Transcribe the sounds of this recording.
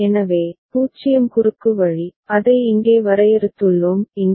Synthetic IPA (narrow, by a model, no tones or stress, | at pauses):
ɛnɐʋeːpuːt͡ʃːɪjɐmkʊrɯkːɯʋɐɻiɐðɐɪɪŋɡeːʋɐɾɐjɛɾɯt̪ːɯɭːɯmɪŋ